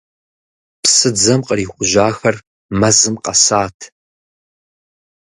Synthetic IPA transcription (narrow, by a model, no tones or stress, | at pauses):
psɨd͡zɐmqəriːχʷʊʒaːxɐr | mɐzɨmqɐsaːtʰ